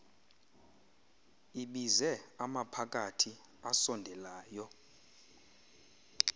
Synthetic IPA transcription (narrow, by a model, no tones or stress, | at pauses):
iɓizɛamapʰak̬ʼatʰi | asɔndʱɛlaːjɔ